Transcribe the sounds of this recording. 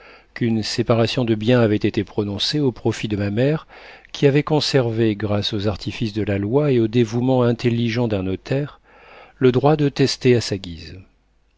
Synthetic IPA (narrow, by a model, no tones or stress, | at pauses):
kynsepaʁasjɔ̃d̪əbjɛ̃avɛt̪et̪epχɔnɔ̃seopχɔfid̪əmamɛʁkʲiavɛkɔ̃sɛʁveɡʁasozaʁt̪ʰifisd̪əlalwaeod̪evumɑ̃ɛ̃t̪elːiʒɑ̃d̪ɛ̃nɔt̪ʰɛʁ | ləd̪ʁwad̪ət̪ɛst̪easaɡʲiz